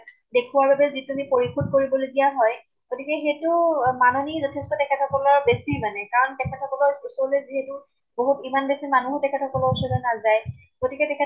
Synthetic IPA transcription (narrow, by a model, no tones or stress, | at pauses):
dekʰuwaɹbabɛzitunipoɹikʰut̚koɹibɔloɡijaɦɔj | ɡ̥otikɛxetʊmanonizɔtʰɛstɔtɛkʰɛtʰɔkɔlɔbesimanɛkaɹɔntɛkʰɛtʰɔkɔlɔsusɔleziɦɛtʊ | boɦutimanbesimanuɦtɛkʰɛtʰɔkɔlɔusɔlɔnazaj | ɡ̥otikɛtɛkʰɛ